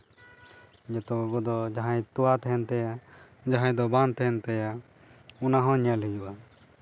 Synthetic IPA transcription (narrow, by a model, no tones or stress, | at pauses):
d͡ʒɛt̪ɔɡɔɡɔd̪ɔd͡ʒaɦãjt̪ɔwat̪ɛɦɛnt̪ɛja | d͡ʒaɦãj̃d̪ɔbant̪ɛɦɛnt̪ɛja | unaɦɔ̃ɲalɦujuʔa